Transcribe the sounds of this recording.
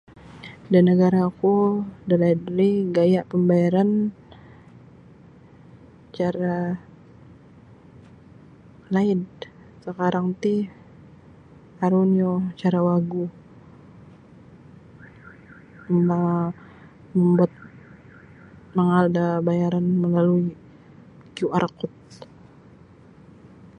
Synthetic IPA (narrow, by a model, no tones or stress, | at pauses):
danəɡaɾakudalaidɾiɡajaʔpəmbajaɾan | t͡ʃaɾa | laɪd | səkaɾaŋt̪i | aɾuniot͡ʃaɾawaɡu | ma | məmbuat̪̚ | məŋaldabajaɾanməlalui | kiuarkʊt̪̚